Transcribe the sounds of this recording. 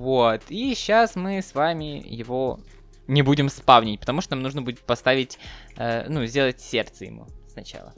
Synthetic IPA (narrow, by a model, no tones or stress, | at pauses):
vot̪iɕːasmɨsvamʲɪjɪvo̞ | nʲɪbudʲɪmspavnʲɪtʲpət̪ɐmuʂt̪onamnuʐnəbudʲɪt̪̚pɐst̪avʲɪtʲənuzʲdʲe̞lˠətʲsʲert̪səjɪ̰mṵsnɐt͡ɕa̰lˠə̰